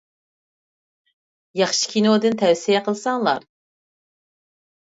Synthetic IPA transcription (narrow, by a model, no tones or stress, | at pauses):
jɑχʃi̥kʲʰinɪod̪ɨnt̪ʰɛwsijɛqʰəlˠsɑŋlˠɑ̰ɾ